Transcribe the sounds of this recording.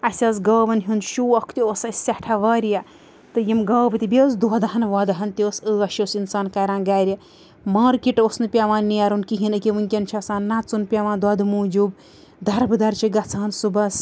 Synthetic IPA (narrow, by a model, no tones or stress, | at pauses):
ɐsʲɐːsɡɐːbɐnɦunʃuːɐkʰt̪iosɐsʲɐʈʰaʋɐːɾijɐ | t̪ɨjimɡɐːbɨt̪ibʲesd̪od̪ɐɦɐnʋaːd̪ɐɦɐnt̪ioːsəːɐʃoːsinsaːnkaɾãːnɡaːɾʲjɐ | maːɾkiʈosnɨpʲaʋãːnːijaɾunkiɦinɨkʲiʋɨnkʲɐnt͡ʃʰɐsãːnnːat͡sunpʲaʋãːnd̪waːd̪ɨmuːd͡ʒuːb | d̪ɐɾbɨd̪ɐɾt͡ʃʰiɡɐt͡sʰaːnsubɐs